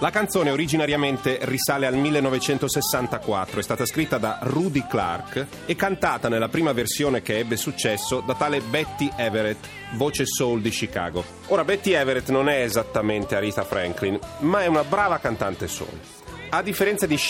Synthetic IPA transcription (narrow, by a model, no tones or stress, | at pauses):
lakant̪soːneoɾid͡ʒinaɾjament̪erisaːlealmilːenːɔvet͡ʃɛnt̪osesːant̪akwat̪ːɾoɛst̪aːt̪askɾit̪ːad̪arud̪ikla̰rk | ɛkːant̪aːt̪anelːapɾiːmaversjoːnek̟eɛbːesut͡ʃːɛsːod̪at̪aːlebɛt̪ːiʔɛveɾet̪ | voːt͡ʃesowld̪iʃika̰ːɡo | oːɾabɛt̪ːiɛveɾet̪nonɛːzat̪ːament̪eaɾiːt̪afɾɛ̰ŋklinmaɛunabɾaːvakant̪ant̪eso̰l | ad̪ːifːeɾɛnt̪sad̪i